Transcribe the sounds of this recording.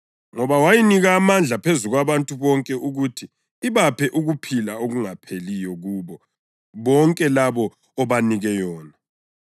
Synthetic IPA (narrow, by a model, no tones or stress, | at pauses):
ŋɔβawajiniɣaːmand͡ɮʱapʰezuɣwaβantʼuβɔŋkʼɛʔuɣutʰiː | βapʰɛʔuɣupʰilaoɣuŋapʰelijɔɣuːβɔ | βɔŋkʼɛlaβɔː | βaniɣɛjɔːna